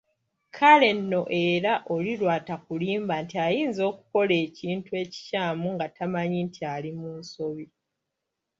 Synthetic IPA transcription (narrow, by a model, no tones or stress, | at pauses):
kʰale̞nːo̞ʔe̞ɾaʔo̞liɾwaːtakuliːmbantiajiːnzo̞ːkuko̞leːciːntue̞ːci̥caːmuŋɡatʰamaɲintialimuːnso̞βi